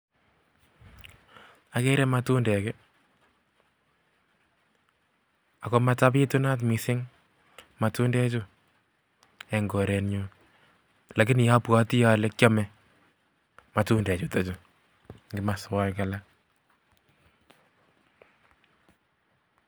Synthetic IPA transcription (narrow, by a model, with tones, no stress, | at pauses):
a˨ke˦ɾɛ˦ma˨tu˦ndɛ˨kɛ˦ | a˨ko˦ma˦ta˦pi˦tu˦na˦t̬mi˨sɪ˦ŋ | ma˨tu˦ndɛ˦t͡ʃʊ˦ | ɛ˨ŋɡo˨ɾɛ˨nɲu˦ | la˨kɪ˦n˨ja˦pwɔ˦ti˦ja˨lɛ˦kʲjɔ˦mɛ˦ | ma˨tu˦ndɛ˨t͡ʃu˦to˨t͡ʃʊ˨ | ŋɡɪ˨ma˨swa˦jka˨la˦